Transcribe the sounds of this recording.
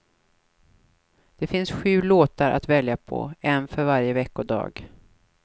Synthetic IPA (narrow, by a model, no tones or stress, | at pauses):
d̪̥ɛfɪnsɧʉ̟ːloːt̪aɾʔa̰t̪vɛljapʰɔ̰ɛnfœɾvaɾjəvɛkːɔd̪ɑ̰ːɡ